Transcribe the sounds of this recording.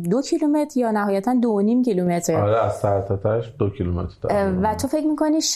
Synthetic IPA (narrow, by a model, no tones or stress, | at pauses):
d̪ocʰilume̞t̪ʰɾjɒːnæɦɒːjæt̪ʰænd̪onimcilumet̪ʰɾeɒɾeæzsæɾt̪ʰɒt̪ʰæʃd̪ocʰilumḛt̪ɾd̥̪ɒ̰væt̪ʰofecmiːkʰo̞niːʃ